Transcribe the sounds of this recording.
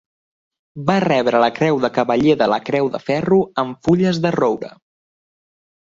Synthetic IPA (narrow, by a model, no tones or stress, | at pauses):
barɛβɾələkɾɛwðəkəβəʎeðələkɾɛwðə̰fɛruəɱfuʎəzðərowɾə̰